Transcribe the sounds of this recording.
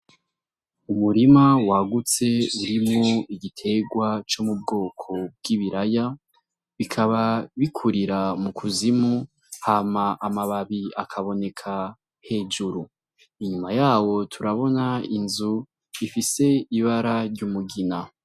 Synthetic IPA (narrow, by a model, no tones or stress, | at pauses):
umuɾimawaɡut͡se̞uɾimŋoiɡitʰe̞ɡwat͡ʃomub̚ɡo̞ːkʰo̞b̚ɡiβiɾaja | βikʰaβaβikʰuɾiɾamukʰuzimu | haːmaʔamaβaβiakʰaβo̞ne̞kʰa | he̞d͡ʒuɾu | iɲumajaːwo̞tʰuɾaβo̞nainzu | ifise̞iβaɾaɾɟuːmuɡina